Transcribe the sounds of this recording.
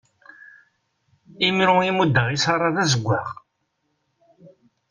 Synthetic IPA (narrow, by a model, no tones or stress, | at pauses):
imɾʊimud̪ːəʁisɑrˤːɑðæzəɡʷːaʁ